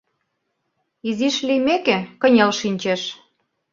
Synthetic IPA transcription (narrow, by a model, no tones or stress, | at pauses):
iziʃlijmekekə̆nʲelʃinʲt͡ɕeʃ